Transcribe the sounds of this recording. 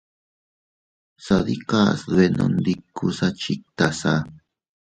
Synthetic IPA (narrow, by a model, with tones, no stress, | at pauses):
saði˦ka˦sðwe˧nʔõ̰˧nd̪ikːu˧sa˦t͡ʃik̚t̪a˨sa